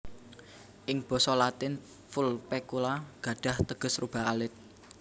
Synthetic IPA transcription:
ʔɪŋb̥ɔ̤sɔlat̪ɪn | fulpekulaɡ̥ä̤ɖ̥ä̤ht̪əɡ̥ə̤srub̥a̤ɦalɪt̪̚

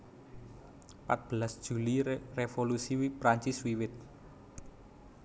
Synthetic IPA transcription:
pat̪̚b̥əlasd̥ʒ̥ulirefolusiwipɾaɲt͡ʃɪswiwɪt̪̚

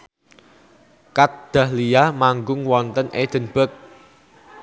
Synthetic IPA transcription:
kat̪̚d̪̥a̤hlijahmaŋɡʊŋwɔnt̪ənʔed̪̥ə̤nb̥ək̚

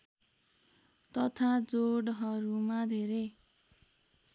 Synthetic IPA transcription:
t̪ʌt̪ʰad͡zoɽɦʌɾumad̪ʱeɾe

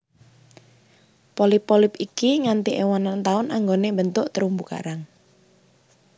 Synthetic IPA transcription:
polɪpːɔlɪpikiŋant̪iʔewanant̪aʊnaŋɡonebənt̪ʊʔt̪əɾumbuka̰ɾaŋ

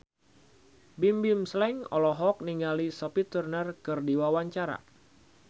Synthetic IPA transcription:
bimbimslɛŋɔ̰lɔɦɔk̚niŋalisɔpit̪urnərkɨrdiwawaɲt͡ʃaɾa̰

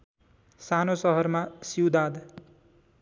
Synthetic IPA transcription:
sanosʌɦʌrmasiwd̪ad̪

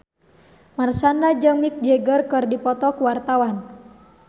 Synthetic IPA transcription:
marsanad͡ʒəŋmik̚d͡ʒɛɡərkɨrdipɔt̪ɔkuwart̪awan

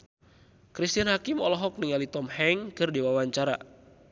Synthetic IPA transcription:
kɾist̪ianhakimɔlɔɦɔk̚niŋalit̪ɔmhɛŋkɨrdiwawaɲt͡ʃaɾa̰

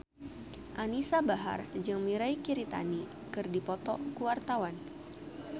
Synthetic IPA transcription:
ʔanisabaɦa̰rd͡ʒɨŋmiɾaikiɾit̪a̰ni | kɨrdipɔt̪ɔkuwart̪awan

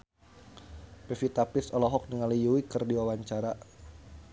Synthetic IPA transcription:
pɛfit̪apɪsɔlɔɦɔk̚nəŋalijuwikɨrdiwawaɲt͡ʃaɾa

